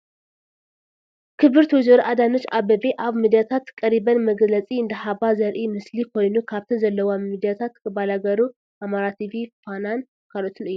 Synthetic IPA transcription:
kʰɨβɨɾt̪ʰwɨzɨɾʔad̪anot͡ʃːabɐbiʔaβmid̪ijat̪ʰat̪kʼːɐɾibɐnmɐɡlɐt͡sʼiɨnd̪ɨħabazɐɾʔimɨslikʰo̞jnukʰaβt̪ʰizɐlːɐwamid̪ijat̪ʰat̪kɨbalaɡɐɾu | ʔamaɾat̪ʰivifanan | kʰalot̪ʰɨnɨjːu

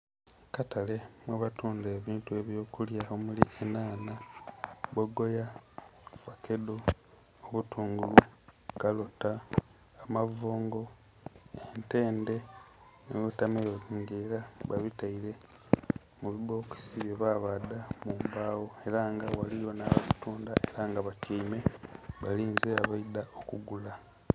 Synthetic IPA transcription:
katale̞mweβatuːnde̞ːβiːntue̞βjo̞ːkuljaomuliʔenaːna | βoɡo̞ja | βake̞do̞ | oβutuːŋɡulukalotaː | mavoːŋɡo̞ | ente̞ːnde̞ | neβutamejoiŋɡeːɾaβaβitaiɾe̞ | muβiβo̞ːki̥siβje̞βaːβadamuːmbaːwo̞e̞ɾaŋɡawalijo̞naβaβituːnda̰ʔe̞ɾaŋɡaβaceime̞βaliːnzeaβaidaokuɡula

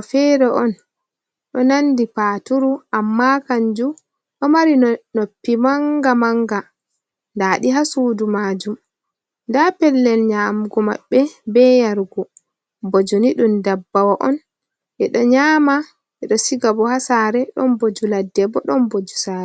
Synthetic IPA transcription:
fɛɾɛʔɔn | ɗɔnandipaːtuɾuʔamːakaɲd͡ʒu | ɗɔmaɾinopːimaŋɡamaŋɡa | ndaːɗiɦasuːdumaːd͡ʒum | ndapɛlːɛlɲaːmɡɔma̰ɓːɛbɛjaɾɡɔ | bɔd͡ʒoniɗundabːawaʔɔn | ʔɛɗɔɲaːma | ʔɛɗɔsiɡabɔhasaːɾɛɗɔnbod͡ʒuladːɛbɔɗɔnbod͡ʒusaɾɛ

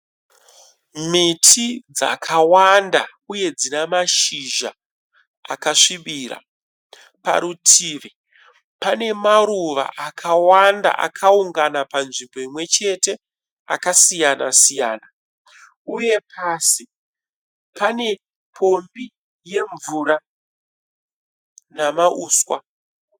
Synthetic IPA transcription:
mitʰid͡za̰kʰawanda̰ | uje̞d͡zinamaʃiʒa̰ | a̰kaʂiɓiɾa̰ | pa̰ɾutʰiːʋe | pane̞maɾuʋa̰ʔakʰawanda̰ʔa̰kʰauŋɡanapanʐimbo̞imwe̞t͡ʃe̞te̞ | a̰kasijana̰sijaːna | uje̞pʰaːsi | pane̞ | pʰo̞mbi | je̞ɱvuːɾa | namaʔuːswa

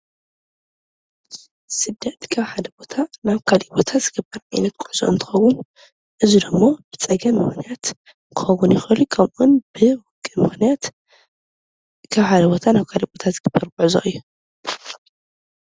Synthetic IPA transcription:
sɨd̪ːɐt̪kʰaβħad̪ɐbo̞t̪ʰanaβkʰalibo̞t̪ʰaz̥ɨɡɨbːɐɾʕajnɐt̪̚kʼʊʕz̥o̰ɨ̰nt̪ʰɨ̥xɐwʊn | ʔɨzid̪ɨmːob̥ɨt͡sʼɐɡɐmːɨxnijat̪ | kʰɨxɐwunjɪxɐlukʰɐmʔunb̥ɨwʊkʼːɨmɨxnijat̪ | kʰaβħad̪ɐbot̪ʰanaβkʰalibot̪ʰat̪zɨɡ̥ɨbːɐɾkʼʊʕzo̰ʔɨjːu

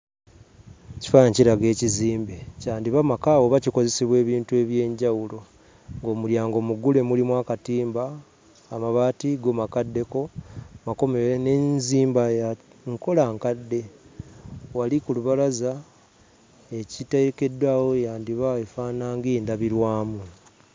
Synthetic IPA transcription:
ci̥faɲciɾaɡe̞ːciziːmbecaːndiβamakaːwo̞βaciko̞ze̞siβwe̞ːβiːntue̞ːβje̞ːɲɟawulo̞ | ŋɡo̞ːmuljaːŋɡo̞muɡule̞mulimwaːkatiːmbaː | maβaːtiɡomakadːe̞ko̞mako̞meene̞nziːmbaja | ŋko̞laŋkadːe̞ | walikuluβalaza | ecitaieke̞dwaːwo̞jaːndiβaefaːnaːŋɡiːndaβiɾwaːmu

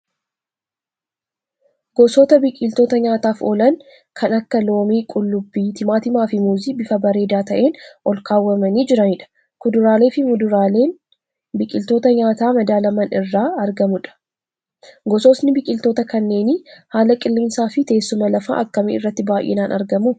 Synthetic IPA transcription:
ɡ̥ɔsoːt̪ɐbɪkʼɪlt̪o̞ːt̪ɐɲaːt̪aːfo̰ːlɐn | kʰɐnɐkːɐlo̞ːmiːkʼʊlːʊbːiːt̪ɪmaːt̪ɪmaːfɪmuːziːbɪfɐbɐɾe̞ːd̪aːt̪ɐʔe̞ːnʔɔlkaːwːɐmɐniːd͡ʒɪɾɐnɪᶑɐ̥ | kʊd̪ʊɾaːle̞ːfɪeː | bɪkʼɪlt̪oːt̪ɐɲaːt̪aːmɐd̪aːlɐmɐnɪrːaːɐɾɡɐmʊᶑɐ̥ | ɡɔsoːsnɪbɪkʼɪlt̪oːt̪ɐkɐnːe̞ːnɪhaːlɐkʼɪlːɪmsaːfɪt̪e̞ːsːʊmɐlɐfa̰ʔɐ̰kːɐmɪɪ̰rːɐt̪ːɪbaːʔɛ̰naːnʔɐɾɡɐmu

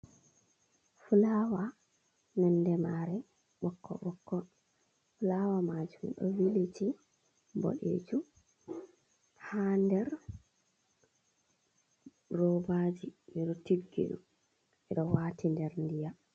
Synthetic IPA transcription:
fulawa | nɛndɛmaɾɛ | ɓɔkːɔ̰ɓɔkːɔ | fulawamad͡ʒumɗɔ̰wiliti | mbo̰ɗḛd͡ʒu | handɛɾ | rɔbad͡ʒimiɗɔtiɡːḭɗṵm | ʔɛɗɔwaːtindɛɾndija

